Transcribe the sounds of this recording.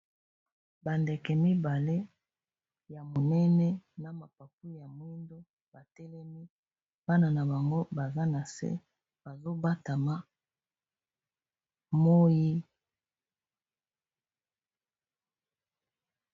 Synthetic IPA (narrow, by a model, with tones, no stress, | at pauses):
ba˨ndɛ˨kɛ˨mi˦ba˨le˦ | ja˨mo˨nɛ˦nɛ˦na˨ma˨pa˨pu˦ja˨mwi˦ndo˦ | ba˨tɛ˦lɛ˦mi˦ | ba˦na˨na˨ba˨ŋɡo˦ba˨za˦na˨sɛ̰˦ | b̥a˨zo˦ba˦ta˨ma˦ | mo˦ji˦